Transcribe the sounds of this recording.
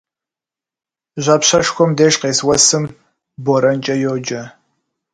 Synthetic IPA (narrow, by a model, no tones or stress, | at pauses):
ʒʷɐpɕɐʂxʷɔmdeːʒqeːswɐsɨm | boɾɐnt͡ʃʼɐjoːd͡ʒɐ